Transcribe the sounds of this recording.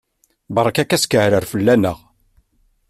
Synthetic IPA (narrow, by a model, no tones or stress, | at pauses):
bɾˤɑkækæskəʕɾəɾfəlːænəʁ